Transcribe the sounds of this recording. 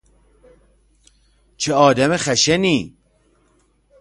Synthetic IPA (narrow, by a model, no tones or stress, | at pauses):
t͡ʃʰeɒːd̪æmexæʃeniː